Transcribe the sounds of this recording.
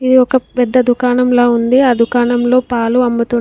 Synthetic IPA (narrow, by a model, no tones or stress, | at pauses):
id̪iɔkɐpɛd̪ːɐd̪ukaːnɐmloːund̪iaːd̪ʱukaːɳɐmlo̞ːpaːluɐmːut̪u